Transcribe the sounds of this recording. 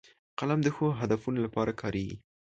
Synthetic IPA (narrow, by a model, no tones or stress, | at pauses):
qalamd̪əxoɦad̪afunolapɑɾakʰɑɾeɡḭ